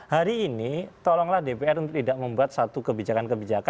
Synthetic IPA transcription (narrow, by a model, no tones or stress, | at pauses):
haɾiːnit̪ɔlɔŋlahdepeɛrunt̪ʊk̚t̪idaʔməmbuat̪̚sat̪ukəbid͡ʒakankəbid͡ʒaka